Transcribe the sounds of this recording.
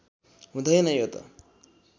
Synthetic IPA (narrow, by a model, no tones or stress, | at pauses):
ɦũd̪ʱʌjnʌjot̪ʌ̰